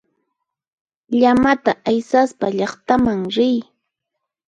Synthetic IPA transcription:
ʎamat̪aʔajsaspaʎɑχt̪amaŋɾɪj

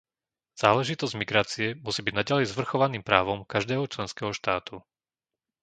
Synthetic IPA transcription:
z̥aːlɛʒit̪ɔzɟmiɡɾaːt͡siɛmusiːbiɟnaɟalɛjzʋr̩xɔʋaniːmpɾaːʋɔmkaʒd̪ɛːɦɔt͡ʃlɛnskɛːɦɔʃt̪aːt̪u

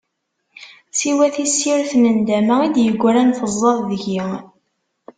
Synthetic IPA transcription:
siwæθisːiɾθnənd̪æmæid̪jəɡʷːɾænfəzˤːɑðˤðəʝi

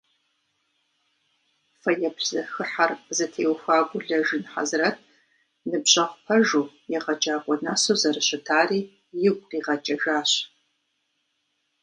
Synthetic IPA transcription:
fɐjɛpʰzɐxɨħarzɐtʰeːwxʷaːɡʷʊɮɐʒɨnħa̰zrɐtʰ | nɨbɕʼɐʁʷpʰɐʒuː | jɛʁɐd͡ʒʼaːkʷʼɔnasoːzɐrɨɕɪtʰaːriː | jɪɡʷʼqiːʁɐt͡ʃʼɐʒaːɕ

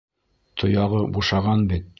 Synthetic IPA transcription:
t̪ʰŏjɑʁɤbuʃɑʁɑnbit̪̚

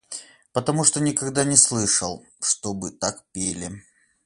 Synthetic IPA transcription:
pət̪ɐmuʂt̪onʲɪkɐɡd̪anʲɪslˠɨʂəlˠ | ʂt̪obɨt̪akpʲelʲɪ

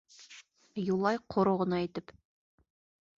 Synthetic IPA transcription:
julˠɑjqʰŏɾoʁɤ̆nɑit̪ɘp

